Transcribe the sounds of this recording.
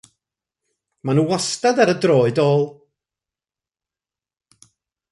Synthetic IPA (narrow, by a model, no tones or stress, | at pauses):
manuːwɔstadaɾədroːɨdoːlˠ